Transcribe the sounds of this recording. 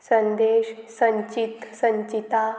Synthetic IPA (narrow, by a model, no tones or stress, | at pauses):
sənd̪eːɕsəɲt͡ɕit̪səɲt͡ɕit̪a